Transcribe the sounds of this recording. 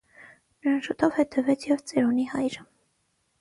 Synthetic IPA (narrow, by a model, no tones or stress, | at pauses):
nəɾɑnʃut̪ʰɔvhɛt̪ʰɛvɛt͡sʰjɛvt͡sɛɾunihɑjɾə